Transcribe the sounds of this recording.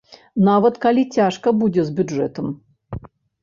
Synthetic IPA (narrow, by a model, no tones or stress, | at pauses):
navɐt̪kalʲit͡sʲaʂkɐbud͡zʲɛzʲbʲuʐɛt̪ɐm